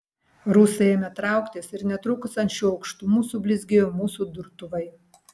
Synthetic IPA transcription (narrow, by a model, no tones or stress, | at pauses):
ɾusɐeːmʲɛt̪ɾɑˑʊkt̪ʲeːsɪɾnʲɛt̪ɾʊkʊsɐnʲt͡ʃʲuːɐʊkʃt̪umuːsuːbʲlʲɪzʲɡʲejomuːsuːd̪ʊɾt̪ʊʋɐɪ